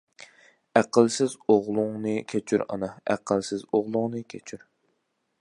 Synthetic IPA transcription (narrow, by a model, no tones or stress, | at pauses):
æqʰəlˠsɪzoʁlˠʊŋnɨkʲʰɛt͡ʃʰy̰ɾɑ̰nɑæ̰qʰəlˠsɪzoʁlˠʊŋnɨkʲʰet͡ʃʰyɾ